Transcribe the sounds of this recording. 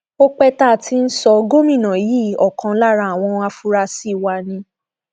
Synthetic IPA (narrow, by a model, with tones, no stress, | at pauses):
o˦k͡pɛ˧ta˦˨tʰi˧n̩˦sɔ˧ɡo˦mĩ˦˨nã˨ji˦ɔ˨kã˨˦la˦ɾa˧˨a˨w̃ɔ̃˧a˧fu˧ɾa˧si˦˨wa˧nĩ˧